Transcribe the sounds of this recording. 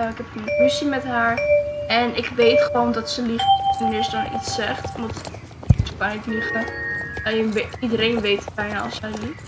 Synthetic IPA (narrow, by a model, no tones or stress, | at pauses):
aɪkɛpəndkɵsimɛtɦaːɹɛnɪkʋejtχəʋowndɑtsəliχtənɪːɹsədɔnḭtsɛχtmdɑt | səkanɪtliχəɛəʋidəɾejnʋejtəb̥ɛjnaːɑ̰lˠsɛjlit